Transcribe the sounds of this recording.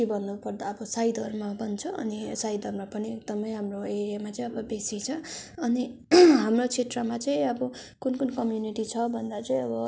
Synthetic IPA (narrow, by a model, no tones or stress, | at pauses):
ibʌnːupʌrd̪aʌbʌsajd̪ʌrmabʌnt͡sʰʌʌnisajd̪ʱʌrmapʌniek̚d̪ʌmʌjɦamroeɾijamat͡saĩʌbʌbesit͡sʰʌʌniɦamrot͡sʰet̪rʌmat͡sãĩʌbʌkunkunkʌmjuniʈit͡sʰʌbʱʌnd̪at͡saĩʌbʌ